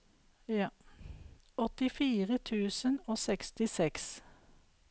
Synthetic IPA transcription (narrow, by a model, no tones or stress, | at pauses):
ɔt̪ɪfiːʁət̪ʰʉːsənoːsɛkst̪ɪsɛks